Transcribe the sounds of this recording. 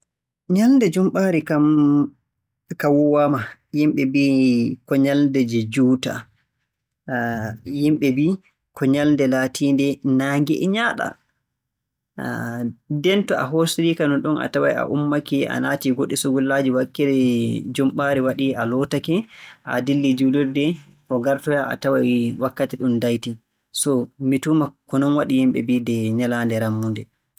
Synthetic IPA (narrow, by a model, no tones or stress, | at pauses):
ɲalndɛd͡ʒumɓaːɾikam | kawɔwamajimɓɛbikɔɲaldɛd͡ʒɛd͡ʒuːta̰ | jimɓɛbi | kɔɲalndɛlatʰiːndɛnaːŋɡɛ̰ʔɲaːɗa̰ | dɛntɔa̰ɦosiɾikanɔnɗɔnʔa̰tawa̰ja̰ʔumːakiʔa̰naːtiɡoɗːisuɡulːad͡ʒiwakːɛdɛd͡ʒɔmɓaɾɛwaɗialɔtakɛʔa̰dilːid͡ʒuliɾdɛ | kɔɡaɾtɔjaʔa̰tawajwakːatiɗundajti | sɔmitumakɔnɔnwaɗijimɓɛ̰bidɛɲalandɛɾamːundɛ